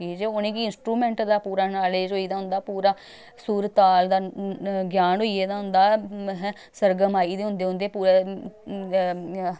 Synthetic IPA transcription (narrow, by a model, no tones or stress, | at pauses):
iːd͡ʒeʊnẽːkiɪnsʈɾuːmɛ̃ːɳʈd̪aːpuːɾaːnaːleːd͡ʒɦoːiːd̪aːɦʊ̃nd̪aːpuːɾaː | suːɾət̪ːaːld̪aːɡjaːnɦoːieːd̪aːɦʊnd̪aːɦ | səɾɡəmaːiːd̪eːɦʊ̃nd̪eːɦʊ̃nd̪eːpuːɾe